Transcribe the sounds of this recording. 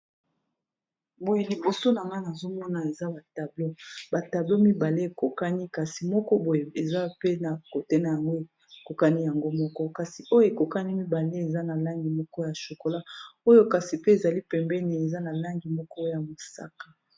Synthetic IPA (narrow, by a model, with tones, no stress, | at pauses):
bo˨je˨li˨bo˨so˦na˨ŋɡa˦na˨zo˦mɔ˦na˨e˨za˦ba˨ta˨blo˦ba˨ta˨blo˦mi˦ba˨le˦e˨ko˨ka˦ni˦ka˨si˨mɔ˦kɔ˦bo˨je˨e˨za˦pe˦na˨ko˨tɛ˦na˨ja˨ŋɡo˦e˨ | ko˨ka˦ni˦ja˨ŋɡo˦mɔ˦kɔ˦ka˨si˨o˦jo˦e˨ko˨ka˦ni˦mi˦ba˨le˦e˨za˦na˨la˦ŋɡi˨mɔ˦kɔ˦ja˨ʃo˨ko˨la˦o˦jo˦ka˨si˨pe˦e˨za˨li˦pɛ˨mbɛ˦ni˨e˨za˦na˨la˦ŋɡi˨mɔ˦kɔ˦ja˨mo˨sa̰˦kḁ˦